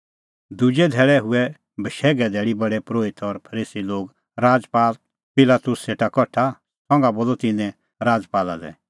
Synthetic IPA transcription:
d̪ud͡ʒɛd̪ʱɛːɭɛɦʊɛ | bʱəʃɛːɡɛd̪ʱɛːɽibɐɽɛpɾoːɪt̪ɔɾpʰɐɾiːsiloːɡ | ɾaːd͡zpaːl | pɪlaːt̪ʊsːeːʈakɔʈʰa | sɔ̃ŋɡaboːlɔt̪ɪnɛ̃ | ɾaːd͡zpaːla̰dɛ̰

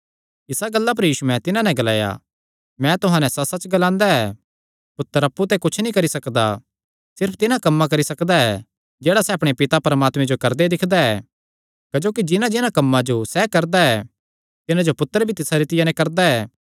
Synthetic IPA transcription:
ɪsaɡɐlːap̬ɐɾjiːsumɛ̃t̪ɪnãnɛ̃ɡɐla̰ːja̰ | mɛ̃t̪ʊɦãːnɛ̃sɐsɐt͡ʃɡɐlãːnd̪aɛː | pʊt̪ːəɾɐpːut̪̬ɛkʊt͡ʃʰnĩkɐɾisɐkd̪a̰ | sɪɾpʰt̪ɪnãkɐmːak̬ɐɾisɐkd̪aɛ | d͡ʒɛːɽasɛɐpɽ̃epɪt̪apɐɾəmaːt̪mɛ̃d͡ʒokɐɾd̪ed̪ɪkʰd̪aɛ | kɐd͡ʒoːkid͡ʒɪnãd͡ʒɪnãkɐmːãd͡ʒosɛkɐɾd̪aɛ | t̪ɪnãd͡ʒopʊt̪ːəɾbʱit̪ɪsaɾit̪ɪjanɛ̃kɐɾd̪aɛː

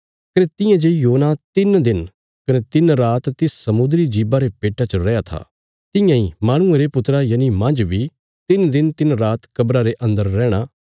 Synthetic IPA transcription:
kɐnet̪ɪ̃jãd͡ʒejoːnat̪ɪnd̪ɪn | kɐnet̪ɪnɾaːt̪ːɪsːɐmʊ̃d̪ɾid͡ʒiːbaɾepeːʈat͡ʃəɾɛjat̪ʰa̰ː | t̪ɪ̃jãːĩmaːɽ̃ʊ̃ẽɾepʊt̪ɾajaːnimɐ̃nd͡ʒʋi | t̪ɪnd̪ɪnt̪ɪnɾaːt̪kɐbɾaɾeʔɐ̃nd̪əɾːɛːɽ̃aː

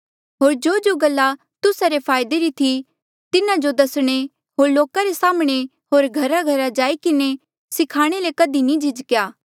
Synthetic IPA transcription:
ɦoːɾd͡ʒoːd͡ʒoɡɐlːa | t̪ʊsaɾepʰaːjd̪eɾit̪ʰi | t̪ɪnãd͡ʒod̪ɐsɽ̃e | ɦoːɾloːkaɾesaːmɽ̃e | ɦoːɾɡʱɐɾaɡʱɐɾad͡ʒaːikɪne | sɪkʰaːɽ̃elekɐd̪inĩd͡ʒʱɪd͡ʒkjaː

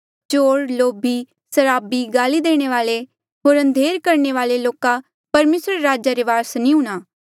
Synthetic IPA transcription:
t͡ʃoːɽloːbi | sɐɾaːbiɡaːlid̪eːɽ̃eʋaːle | ɦoːɾɐ̃nd̪ʱeːɾkɐɾɳeʋaːleloːka | pɐɾmeːsɾeɾaːd͡ʒaɾeʋaːɾsnĩɦũːɽ̃aː

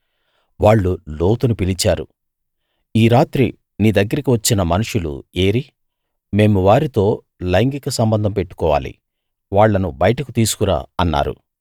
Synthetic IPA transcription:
ʋaːɭːuloːt̪unupilit͡ʃaːɾu | iːɾaːt̪ɾḭ | niːd̪ɐɡːɐɾikiʋɐt͡ʃːinɐmɐnuʂulṵe̞ːɾi | me̞ːmuʋaːɾit̪o̞ː | lɐjŋɡikɐsɐmbɐnd̪ʱɐmpe̞ʈːu̥kɔːʋa̰ːlḭ | ʋaːɭːɐnubɐjɐʈɐkut̪iːsu̥kuɾa̰ːɐnːa̰ːɾṵ

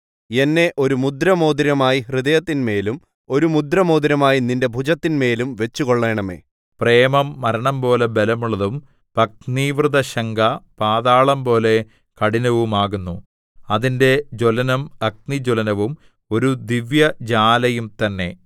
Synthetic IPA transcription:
e̞nːe̞ʔo̞ɾumud̪ɾɐmo̞ːd̪iɾɐmaːjiɦriðɐjɐt̪ːinme̞ːlum | o̞ɾumud̪ɾɐmoːd̪iɾɐmaːjininde̞bʱud͡ʑɐt̪ːinme̞ːlumʋe̞t͡ɕːuko̞ɭːe̞ːɳɐmḛː | pre̞ːmɐmːɐɾɐɳɐmpo̞ːle̞belɐmuɭːɐðum | pɐk̚niːʋrɨðɐɕɐŋɡɐpaːðaːɭɐmpo̞ːle̞ | kɐɽinɐʋumaːɣunːu | ɐðinde̞d͡ʑo̞lɐnɐmɐk̚nid͡ʑolɐnɐʋum | o̞ɾud̪iʋjɐd͡ʑaːlɐjumt̪ɐnːe̞

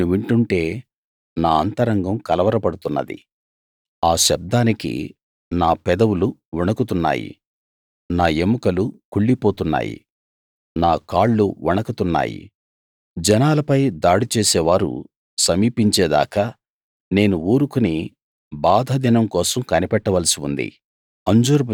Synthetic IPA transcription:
uʋiɳʈuɳʈe̞ː | naːɐnt̪ɐɾɐŋɡɐmkɐlɐʋɐɾɐpɐɽut̪unːɐ̰d̪ḭ | aːʃɐb̚d̪aːnikḭ | naːpɛd̪ɐwuluʋɔɳɐkut̪unːa̰ːjḭ | naːe̞mukɐlukuɭːipoːt̪unːa̰ːjḭ | naːkaːɭːuʋuɳɐkɐt̪unːa̰ːjḭ | d͡ʒɛnaːlɐpɐjd̪aːɽit͡ʃeːsɛːʋaːɾṵ | sɐmiːpiɲt͡ʃɛːd̪a̰ːkɐ | ne̞ːnuuːɾukuni | baːd̪ʱɐd̪inɐmkɔːsɐmkɐnipɛʈːɐʋɐlɐsiṵnd̪ḭ | ɐɲd͡ʒuːɾ

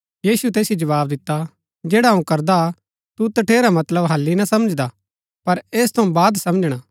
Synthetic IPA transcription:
jiːsut̪eːsjid͡ʒɐʋaːb̚d̪ɪt̪ːa | d͡ʒeːɽaũkɐɾd̪a | t̪ut̪ɐʈʰeːɾamɐt̪ləbɦɐlːinɐsɐməd͡ʒd̪a | pɐɾeːst̪ʰɐũbaːd̪sɐməd͡ʒɽ̃aː

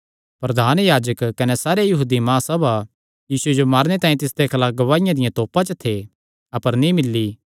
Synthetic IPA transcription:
pɾɐd̪ʱaːnjaːd͡ʒəkːɐnesaːɾejɐɦuːd̪imãːsɐbʱa | jiːsued͡ʒomaːɾñet̪aːĩt̪ɪsd̪ekʰɐlaːk̚ɡɐʋaːɪjãd̪ɪjãt̪oːpãt͡ʃət̪ʰe | ɐpəɾnĩmɪlːi

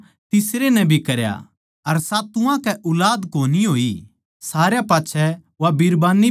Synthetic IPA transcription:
t̪ɪsɾenɛ̃bʱikɐɾja̰ | ɐɾsaːt̪ʊãkɛʔʊlaːd̪koːniɦoːi | saːɾjapaːtːʃʰɛ | ʋabiɾbaːni

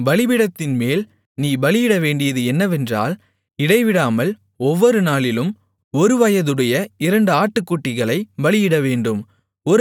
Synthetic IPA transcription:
ʋɐɭɪʋɪɽɐt̪ːɪnmeːl | niːbɐɭɪjɪɽɐʋeːɳɖɪjɐðɯɛnːɐʋɛndra̰ːl | ɪɽɐɪʋɪɽaːmɐl | ɔʋːɔɾɯnaːɭɪlɯm | ɔɾɯʋɐjɐðɯɽɐjɐɪɾɐɳɖɯaːʈːɯkːuːʈːɪɣɐɭɐɪbɐɭɪjɪɽɐʋeːɳɖɯm | ɔɾ

